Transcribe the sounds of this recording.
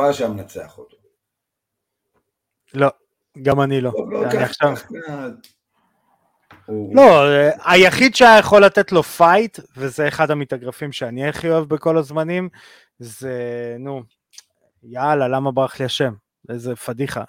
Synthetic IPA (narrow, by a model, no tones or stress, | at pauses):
aʃamnat͡seaχot̪o̥ | lo̞ | ɡamanilo̞aniaχʃava | lo̞ajaχid̪ʃeaajaχo̞lːat̪et̪lo̞fajtvezeːχadhamitaɡʁafimʃeaniaχioevbeko̞lazmanim | zenu | jaːlalamabʁaχliaʃe̞m | ezefadiχa̰